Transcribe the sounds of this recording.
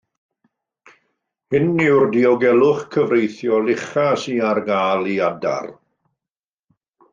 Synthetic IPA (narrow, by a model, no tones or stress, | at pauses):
hɪnːɪwrdiɔɡɛlˠʊχkʰəvɾejθjɔlɪχasiarɡaːlˠiada̰r